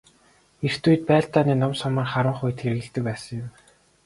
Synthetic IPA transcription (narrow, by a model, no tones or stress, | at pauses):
er̥t̪uːj̆t̪̚pæːɬt̪aːniːnɔmsɔmə̆ːrχaɾə̆ɴχʊj̆t̪xeɾ̆ɣɘ̆ɬt̪ɘ̆k̚pæːsə̆ŋjʊm